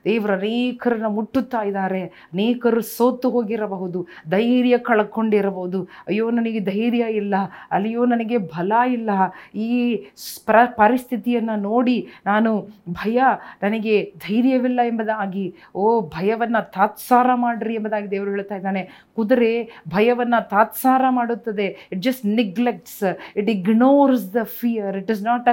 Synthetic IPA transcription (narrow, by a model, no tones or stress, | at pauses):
d̪eːʋɐɾuɐneːkʰɐɾɐnːɐmuʈːut̪ːaːjid̪aːɾe̞ | ɐneːkɐɾusoːt̪ːuɦoːɡiɾɐbɐɦud̪ud̪ɐjɾjɐkɐɭɐkːo̞ɳɖiɾɐbɐɦud̪uɐjːoːnɐnɐɡed̪ɐjɾjɐilːɐɐlːɐjoːnɐnɐɡebʱɐlɐilːɐiːpɐpɐɾist̪ʰit̪ijɐnːɐno̞ːɽinaːnubʱɐjɐnɐnɐɡe̞d̪ʱɐjɾjɐʋilːɐɛmbɐd̪aːɡi | oːbʱɐjɐʋɐnːɐt̪aːt̪saːɾɐmaːɽɾiɛmbɐd̪aːɡid̪eːʋɾuɦeːɭt̪aːjid̪aːne | kud̪ɐɾe̞bʱɐjɐʋɐnːɐt̪aːt̪saːɾɐmaːɽut̪ːɐd̪e̞iʈ̚d͡ʒɐsʈniɡlek̚ʈsiʈiɡnoːɾsd̪ɐfʰijɐɾiʈiznaːʈɐ